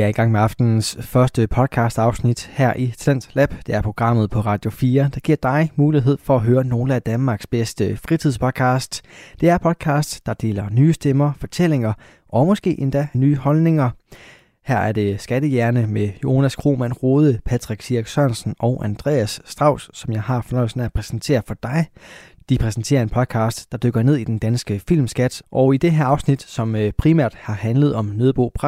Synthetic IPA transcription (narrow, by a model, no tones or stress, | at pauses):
eæɐiɡ̥ɑ̈ŋ̰meɑ̈fd̥n̩sfɶɐsd̥əpʰɒ̽ð̥ˠkʰɑ̈ːsd̥ɑ̈ʊsnid̥hæɐ̰ʔit͡sʰlæn̰d̥læb̥d̥e̝æɐpʰʁo̝ɡ̥ʁɑ̈m̰ð̞̩ˠpʰɒ̽ʁɑ̈ːd̥jo̝fiːɐd̥ɑ̈ɡ̥iɐ̰d̥ɑ̈ɪmuːliɦe̝ð̞̰ˠfɒ̽æɦøːɐno̝ːləæd̥ænmɑ̈ːɡ̥sb̥esd̥əfʁit͡sʰið̞̰ˠspʰɒd̥̚kʰɑ̈ːsd̥d̥e̝æɐpʰɒ̽d̥ˠkʰɑ̈ːsd̥sd̥ɑ̈d̥e̝̰ːlɐnyːsd̥emɐfɒt͡sʰel̰e̝ŋɐ | ʔɒ̽mɒ̽sɡ̥e̝̰ːʔe̝nd̥ænyːhɒ̽lne̝ŋɐ | hæɐ̰æɐd̥e̝sɡ̥æɾəjæɐnəmejo̝hænæskʰʁo̝̰ːmæn̰ʁo̝ːð̞ˠəpʰæ̥ʁeɡ̥̚sʰiɐɡ̥sɶnsn̩ɒʊʔænd̥ʁɛ̰ːæsːd̥ʁɑ̈ʊ̰sːɒ̽mjɑ̈ɪɦɑ̈fɒnɒ̽ɪlsnæpʰʁɛsn̩t͡sʰe̝̰ːɐfɒ̽d̥ɑ̈ɪ | d̥ipʰʁɛsn̩t͡sʰe̝̰ːɐe̝npʰɒ̽d̥ˠkʰɑ̈ːsd̥d̥ɑ̈d̥øɡ̥ɐne̝ð̞̰ˠid̥end̥ænsɡ̥əfil̰msɡ̥æd̥ʔɒ̽ʊid̥e̝ɦæɐɑ̈ʊsnid̥sɒ̽mpʰʁimæ̰ɐ̰d̥hɑ̈hænləð̞̩ˠɒ̽mnøːðˠb̥o̰ːpʰʁɑ